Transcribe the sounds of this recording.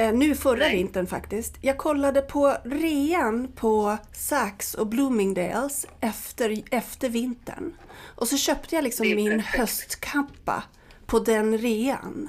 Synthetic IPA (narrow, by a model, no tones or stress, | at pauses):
nʉ̟ːfœɾavɪnt̪ənfa̰kt̪ɪskt̪jɑːɡ̚kʰɔlːad̪əpʰɔɾeːanpʰɔsaksɔbluːmɪŋd̪ḛːlsʔɛft̪əɾɛft̪əɾvɪnt̪ə̰ɳʔɔsɔɕœːpt̪ʰəjaːlɪksɔmːɪnhœst̪kʰampːa̰ | pʰɔd̪ɛnɾeːa̰n